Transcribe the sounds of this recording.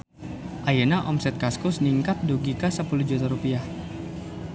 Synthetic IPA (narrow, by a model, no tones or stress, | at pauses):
ʔajenaʔɔmsɛt̪̚kaskʊsniŋkat̪̚duɡikasəpulud͡ʒut̪aɾupiah